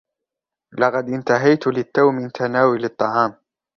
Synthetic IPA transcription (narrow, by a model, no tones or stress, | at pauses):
lɑqɑd̪ʔɪnt̪aɦajt̪lɪt̪ːawmɪnt̪ʰanaːwɪlɨt̪ˤːɑʕɑːm